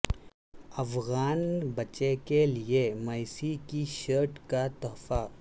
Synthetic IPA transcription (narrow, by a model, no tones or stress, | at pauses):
ɐfɣaːnbɐt͡ʃekeliemɐɪsikiʃəːɾʈkat̪ɔːfa